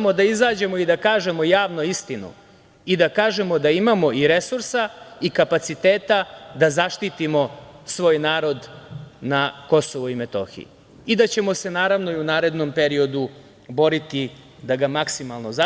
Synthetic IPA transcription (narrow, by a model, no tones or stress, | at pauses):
mod̪aizaːd͡ʑe̞mo̞id̪akaːʒe̞mo̞jaːʋno̞ist̪inṵ | id̪akaːʒe̞mo̞d̪aimamo̞iɾe̞suɾsaikapat̪sit̪eːt̪ad̪azaʃt̪it̪imo̞sʋo̞ːjnaːɾo̞d̪nako̞so̞ʋoimet̪o̞̰xḭḭ | id̪at͡ɕe̞mo̞se̞naːɾaʋno̞iunaːɾe̞d̪no̞mpe̞ɾio̞d̪u | bo̞ɾit̪i | d̪aɡamaksimalˠno̞za